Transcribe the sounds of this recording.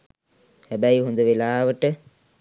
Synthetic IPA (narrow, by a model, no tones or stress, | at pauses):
hæbæjiɦund̪əʋelaːʋəʈə